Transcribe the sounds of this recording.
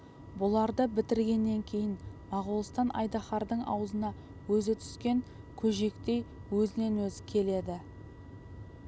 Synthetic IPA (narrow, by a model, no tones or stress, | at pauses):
bʊlˠɑɾd̪əbɪt̪ɪɾɡʲe̞nːe̞ŋkʲʰe̞jɪnmɑʁulˠəst̪ɑnʔɑ̰jd̪ɑχɑɾd̪əɴʔɑ̰wəzənɑ | wɵzɪt̪ʰʏ̥skʲe̞ŋ | kʲʰɵʒe̞kt̪e̞jwɵzɪne̞nwɵzɪkʲʰe̞le̞d̪ɪ